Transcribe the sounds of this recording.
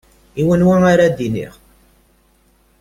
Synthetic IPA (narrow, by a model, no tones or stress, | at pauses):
iwənwaaɾad̪inḭʁ